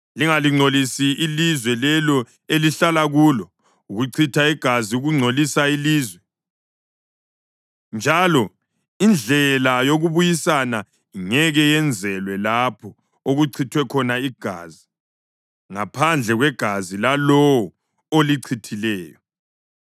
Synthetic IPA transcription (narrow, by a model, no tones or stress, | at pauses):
liŋaliŋ͡ǀʱolisiilizwɛlɛlɔ | eliɬalaɣulɔ | uɣuǀʰitʰaiɡ̥ʱaziuɣuŋ͡ǀʱolisailiːzwɛ | nd͡ʒʱalɔ | ind͡ɮʱɛlajoɣuβujisana | iŋɛɣɛjɛnd͡zʱɛlwɛlapʰɔ | oɣuǀʰitʰwɛkʰɔnaiɡ̥ʱa̰ːzi | ŋapʰand͡ɮʱɛɣwɛɡ̥ʱazilalɔwɔ | oliǀʰitʰilɛːjɔ